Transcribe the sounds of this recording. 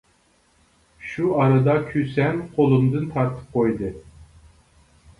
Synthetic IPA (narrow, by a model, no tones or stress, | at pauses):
ʃuɑɾɨd̪ɑkʲʰysɛnqʰolˠumd̪ɨnt̪ʰɑɾt̪ʰɨ̥p̚qʰojd̪ɨ